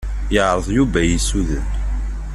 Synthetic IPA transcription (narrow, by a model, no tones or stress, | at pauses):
jəʕɾˤəðˤjuvæjisuðən